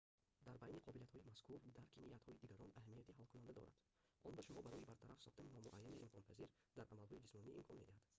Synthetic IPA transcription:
d̪aɾbajniqʰɔbiliat̪hɔimaskuɾd̪aɾkʰimijat̪hɔid̪iɡaɾɔnahmijat̪iɦalkʰunand̪ad̪ɔ̰ɾa̰d̪̥ | ʔɔnbaʃumɔbaɾɔjibaɾt̪ʰaɾafsɔχt̪aninɔmuʔajːaniʔimkʰɔnpʰaziɾ | d̪aɾʔamalhɔid͡ʒismɔniʔḭmkʰɔnmed̪ihad̪

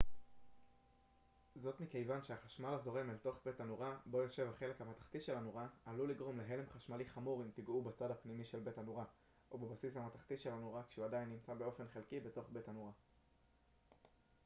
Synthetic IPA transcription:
zo̞tmike̞jvanʃeaχaʃmalazo̞ʁe̞malto̞χbe̞tanuʁabo̞jo̞ʃe̞vhaχe̞le̞khamatḁχt̪iʃe̞lanuʁaaluliɡʁo̞mle̞ɦe̞le̞mχaʃmaliχamuʁimtiɡubat͡sadhapnimiʃe̞lbe̞tanuʁa | ʔobebasishamataχt̪isʃe̞lanoʁakʃeuadajinːimt͡sabe̞o̞fe̞nχelkibe̞to̞χbe̞tanuʁa

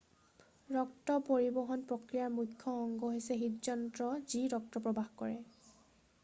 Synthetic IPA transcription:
ɹɔk̚tɔpoɹibɔɦɔnpɹokɹijaɹmukʰːɔːŋɡɔɦojsɛɦitzɔntɹɔziɹɔk̚tɔpɹɔbaxkɔɹɛ

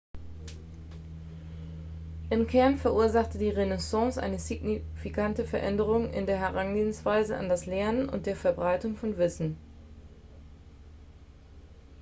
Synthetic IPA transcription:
ʔɪmkʰɛɐnfɛɐʔuːɐzaχtədiːʁenesɑ̃ːsʔa̰ɪnəziɡnifikʰantəfɛɐʔɛ̰ndəʁ̞ʊŋʔɪ̰ndeːɐɦɛʁanɡeːənsv̥aɪzəa̰ndaslɛɐnənʊ̰nt̚d̥eːɐfɛɐbʁaɪtʊŋfɔnvɪsn̩

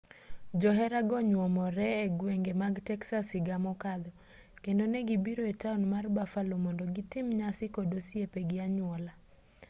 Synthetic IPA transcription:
d͡ʒɔɦɛɾaɡɔɲwɔmɔɾɛːɡweŋɡemaɡtɛksasɪɡamɔkad̪ɔ | kendonɛɡibiɾoetaunmarbafalomɔndoɡitɪmɲasɪkodosijepeɡɪaɲwɔla

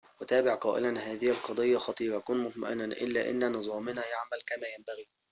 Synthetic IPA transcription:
wɪt̪æːbɪʕqɑːʔɪ̰lænhaːðɪhɪlqɑd̪ˤɑjːɑxɑt̪ˤiːɾˤɑkuːnmʊt̪ˤma̰ʔɪnːanʔɪ̰lːæ̰ːʔɪ̰nːnɨzˤɑːmɪnæjaʕmælkæmæːjæmbæɣiː

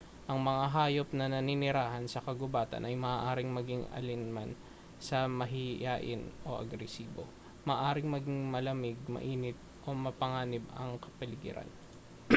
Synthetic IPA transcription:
ʔɐŋmɐŋaɦaːjop̚nɐnɐnɪnɪɾaːɦɐnsɐkɐɡʊbaːt̪ɐ̰nʔɐjmɐʔːʔaːɾɪŋmɐɡɪŋɐ̰lɪnman | sɐmɐɦɪjaːʔɪ̰nʔo̞̰ʔɐ̰ɡɾɛsiːbo̞̰ | mɐʔːʔaːɾɪŋmɐɡɪŋmɐlɐmɪɡ̚mɐ̰ʔiːnɪt̪̚ʔo̞mɐpɐŋaːnɪbɐ̰ŋkɐpɐlɪɡɪ̰ɾa̰n

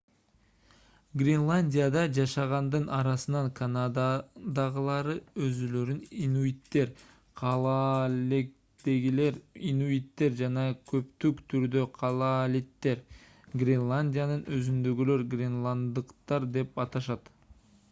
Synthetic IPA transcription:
ɡrʲɪnlˠanʲdʲijad̪ɑd͡ʒɑʃɑʁɑnd̪ɯnʔɑɾɑsɯnɑŋkʰanad̪ad̪ɑʁɯlˠɑɾɯøzylø̞ɾyninuit̪ːe̞ɾ | qʰɑlˠɑlek̚ | d̪eɡileɾinuit̪ːe̞ɾd͡ʒɑnɑkʰø̞pt̪ykt̪ʰyɾd̪øqʰɑlˠɑlʲit̪ːe̞ɾ | ɡrʲenlˠanʲdʲijanɯnøzynd̪øɡylø̞ɾɡrʲenlˠand̪ɯqt̪ɑɾd̪e̞pɑt̪ɑʃɑt̪

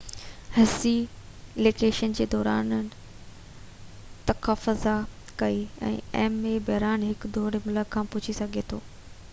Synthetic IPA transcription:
hɪsi | leːkeːʃənd͡ʑeːd̪ɔːɾaːn | t̪ɐkaːfʊza | kɐiɛ̰̃ːɛːmebɐɦɾaːnɦɪkd̪ɔːɽemʊləkkʰːãːpʊt͡ɕʰisɐɡʱet̪ʰoː

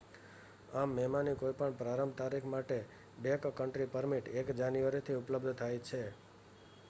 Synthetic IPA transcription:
amːɛmanikojpəɳpɾaɾəmt̪aɾikʰmaʈe | bekkəɳʈɾipəɾmiʈekd͡ʒanjuʋaɾit̪ʰiʊpləbd̪ʱt̪ʰajt͡ʃʰe

